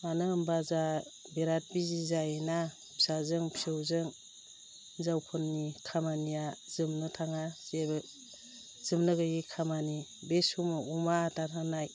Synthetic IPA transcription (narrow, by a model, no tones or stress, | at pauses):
manɯmbaza | beɾat̚bizizajena | bi̥sazɯŋpi̥sewzɯŋ | zawpʰɔnːikʰamanijazɯmnɯtʰaŋaz̥eb | z̥ɯmnɯɡɯjikʰamanibesumumaːtatʰaŋnaj